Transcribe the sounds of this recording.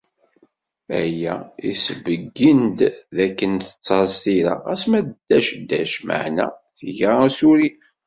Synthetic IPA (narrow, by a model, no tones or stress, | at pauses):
æ̰jæisəvəɡːənd̪ðækːənθə̥t͡sːɑɾˤzθiɾa̰ʁæsmæd̪d̪ːæʃd̪ːæʃmə̰ʕnæ̰ | θʝaæsuɾif